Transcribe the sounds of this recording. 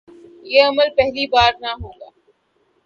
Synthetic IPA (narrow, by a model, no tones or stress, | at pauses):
jeːɐməlpɛɦlibaːɾnaɦõːɡaː